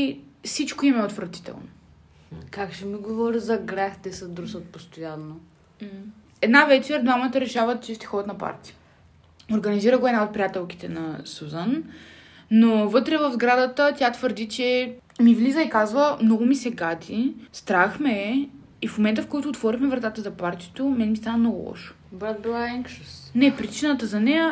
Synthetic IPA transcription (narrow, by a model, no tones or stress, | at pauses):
sit͡ʃkoimɛot̪vɾət̪i̥t̪ɛ̰lˠno | kakʃɛmiɡovɔɾizɐɡɾʲaxd̪ɛsəd̪ɾusət̪̚post̪ojanːo | ɛd̪navɛt͡ʃɛd̪vamət̪əɾɛʃavət̪t͡ʃɛst̪ɛ̥xɔd̪ət̪nɐpa̰ɾt̪i̥ə | oɾɡɐniziɾəɡoɛd̪naot̪̚pɾʲijat̪ɛlˠki̥t̪ɛnɐsuzan | nːovɤt̪ɾɛvəvzɡɾad̪ət̪ət̪ʲat̪vəɾd̪it͡ʃɛ | mivlizəikazvəmnɔɡʊmisɛɡad̪ist̪ɾaxmɛ | ifmomɛnt̪əfkɔjt̪ʊːt̪vɔɾixmɛvɾɐt̪at̪əzɐpaɾt̪iɛt̪omɛnɛmist̪anɐmnɔɡʊ̰lˠɔ̰ʃo̥bɾat̪̚bilˠaɛŋkʃəst̪nɛpɾit͡ʃinət̪əzɐnɛjə